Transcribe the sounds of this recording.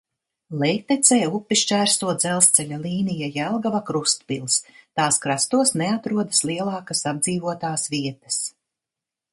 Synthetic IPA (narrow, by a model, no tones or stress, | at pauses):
lˠɛjkt̪ɛt̪sɛjupːiʃt͡ʃæːɾst̪uɔd̪zɛlˠst̪sɛʎʲalˠiːnijajɛlˠɡavakɾust̪pilˠst̪aːskɾast̪uɔsneat̪ɾuɔd̪aslˠiɛlˠɑːkasab̚d̪ziːvuɔt̪aːsviɛt̪ɐ̥s